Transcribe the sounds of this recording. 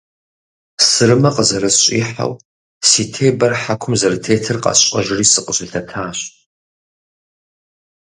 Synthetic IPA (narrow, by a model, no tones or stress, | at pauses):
sɨɾɨmɐqʼəzɐɾɐsɕʼiːħa̰w | siːtʰeːbɐrħakʷʰʊmzɐɾɨtʰeːtʰɨrqʼɑ̰ɕʼɐʒɪriːsɨqʼəɕɪtʰɐtʰaːɕ